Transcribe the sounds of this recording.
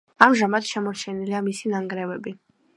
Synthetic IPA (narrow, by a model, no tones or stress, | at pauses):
amʒamat̪ʃɛmɔɾt͡ʃʰɛniliamisinaŋɡɾɛvɛbi